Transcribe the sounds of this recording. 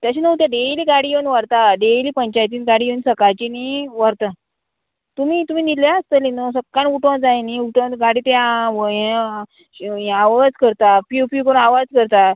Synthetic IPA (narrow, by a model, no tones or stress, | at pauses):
t̪jaɕinəut̪̬jaɖeliːɡaɽijewnʋaɾt̪aɖeliːpəɲt͡ɕajt̪iːnɡaɽijensəkat͡ɕiniʋəɾt̪a | t̪umit̪um̤iːniljaəst̪əlinosəkːaɳuʈõd͡zajeniuʈõɡaɽiːt̪eaʋəẽ | aʋad͡zkəɾt̪apjupjukəɽũnaʋad͡zkəɾt̪a